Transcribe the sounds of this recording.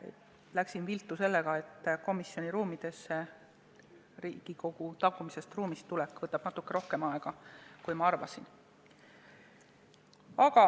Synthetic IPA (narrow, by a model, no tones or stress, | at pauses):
læksinvilt̪ːˑuse̞lːe̞ɡ̥ɑe̞t̪ːˑko̞misːjo̞nʲiɾuːmid̪̥e̞sːe | ɾiːɡ̥iko̞ɡ̥ut̪ɑkːˑumise̞st̪ruːmist̪ulekːˑv̥ɤt̪ːˑɑb̥nɑt̪ːˑukːe̞ɾo̞hke̞mɑeɡ̥ɑkujmɑɑrvɑsin | ɑɡ̥ɑ